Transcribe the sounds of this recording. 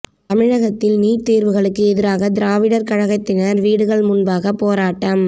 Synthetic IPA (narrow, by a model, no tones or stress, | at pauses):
t̪ɐmɪɻɐɣɐt̪ːɪlniːʈt̪iːɾʋɯɣɐɭɯkːɯɛðɪɾaːɣɐd̪ɪɾaːʋɪɽɐɾkɐɻɐɣɐt̪ːɪnɐɾʋiːɽɯɣɐɭmʊnbaːɣɐpːoːɾaːʈːɐm